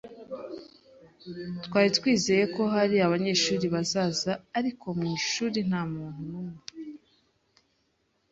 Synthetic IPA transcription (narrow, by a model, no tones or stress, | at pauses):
twaːɾitwiːzeje̞ko̞ɦaɾiaβaɲe̞ːʃuːɾiβazaːzaːɾikʰo̞mŋiːʃuːɾin̥haːmuːn̥hunumŋe